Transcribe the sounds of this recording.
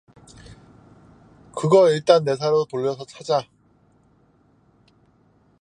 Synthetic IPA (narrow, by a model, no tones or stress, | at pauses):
kɯɡʌiɭt͈anːe̞s̬ʰaɾotoʎːʌsʰʌt͡ɕʰad͡ʑa